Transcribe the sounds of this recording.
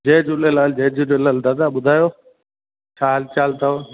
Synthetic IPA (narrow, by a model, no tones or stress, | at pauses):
d͡ʒeːd͡ʒʊlelaːld͡ʒeːd͡ʒilelald̪ad̪aːɓʊd̪ʱaːjoː | t͡ʃʰaːɦəlt͡ʃaːlt̪a